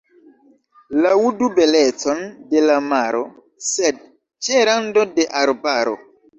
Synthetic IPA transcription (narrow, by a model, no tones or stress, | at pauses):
lawudubelet͡sondelamaɾo | sed̚ | t͡ʃeɾandodeʔaɾbaɾo̰